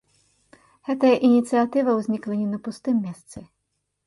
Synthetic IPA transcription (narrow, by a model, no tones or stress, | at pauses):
hɛt̪ɐjɐʔinʲit̪sɨɐt̪ɪʋɐwzʲnʲiklˠenʲinɐpʊst̪ɪmːʲist̪sɛ